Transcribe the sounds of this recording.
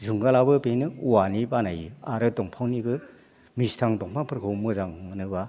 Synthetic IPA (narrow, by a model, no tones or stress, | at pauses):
zuŋɡalabɯpenɯuwanibanajɯaɾɯtɔŋpʰawnibɯ | mistʰaŋdɔŋpʰaŋpʰɯɾkʰɯwmɯzaŋɯnɯba